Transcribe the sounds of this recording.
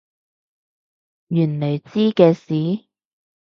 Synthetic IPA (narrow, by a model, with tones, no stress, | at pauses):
jyː˨˩nle˨˩jt͡siː˥kɛː˧siː˨˥˦